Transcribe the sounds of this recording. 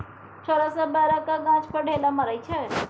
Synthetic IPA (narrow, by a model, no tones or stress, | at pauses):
t͡ʃʰəɾasabaɾakaɡãt͡ʃpəɽʱelaməɾəjt͡ʃʰe